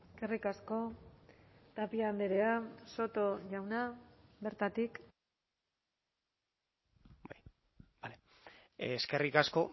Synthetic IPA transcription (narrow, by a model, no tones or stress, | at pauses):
eske̞rikasko̞ | t̪apiand̪eɾe̞aso̞t̪o̞ʝawnabe̞ɾt̪at̪ik | baj | bale | ske̞rikasko̞